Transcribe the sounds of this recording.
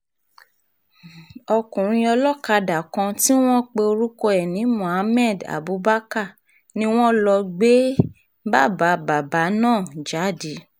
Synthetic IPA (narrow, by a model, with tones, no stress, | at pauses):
ɔ˧kũ˨ɾ̃ĩ˧ɔ˧lɔ˦ka˧da˨kã˧ti˦w̃ɔ̃˦k͡pe˧o˧ɾu˦ko˧ɛ˨nĩ˨˦mũ˨a˨˧˦mɛ˦˨da̰˨bu˨˦ba˦ka˦˨ | nĩ˧˦w̃ɔ̃˦lɔ˧ɡ͡be˦ | ba˦˨ba˨˦ba˨ba˨˦nãː˦˨d͡ʒa˨˦˨di˨˦